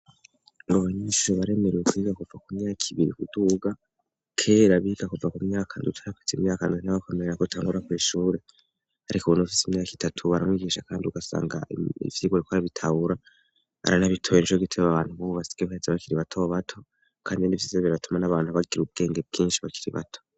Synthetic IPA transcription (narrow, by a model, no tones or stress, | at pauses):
ŋɡoβaɲiʃoβaɾe̞meɾewekuiɡakuvakumɲaːkʰiβiɾḭkuduɡa | kʰe̞ːɾaβiɡakuvakumɲaːkʰandutʰaɾakufisimɲaːkandunaβakemeɾeɾakotʰaːŋɡuɾakwiːʃuːɾe̞ | aɾikoβunuufisimɲaːki̥tʰatʰuβaɾamŋwiːɡiːʃakaːndiuɡasa̰ːŋɡa̰ḭvjiɡoɾikʰoaɾaβitʰaβuɾa | a̰ɾanaβitʰojinʃoɡitʰeβaβaːn̥huβuβasi̥ɡ̥ehezeβakiɾiβatʰoβatʰo̞ | kʰaːndinivizeβiɾatumanaβaːnhuβaɡiɾub̚ɡe̞ːŋɡeb̚ɡiːnʃiβakiɾiβa̰tʰo